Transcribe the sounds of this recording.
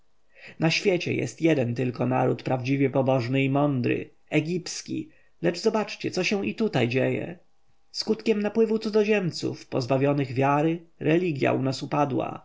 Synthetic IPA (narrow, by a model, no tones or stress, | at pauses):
naɕfʲjɛt͡ɕɛ̰jɛ̰st̪jɛd̪ɛnt̪ɘlkɔnaɾut̪pɾavd͡ʑivʲjɛpɔbɔʐnɘimɔnd̪ɾɘ̰ | ɛɡʲipskʲḭ | lɛʐzɔbat͡ʂt͡ɕɛt̪sɔɕɛw̃ʔit̪ut̪ajd͡ʑejɛ̰ | skut̪kʲɛmnapwɘvut̪suɔʑɛmt̪sṵfpɔzbavʲjɔnɘɣvʲjaɾɘɾɛlʲiɡʲja̰ʔunasupad̪wa̰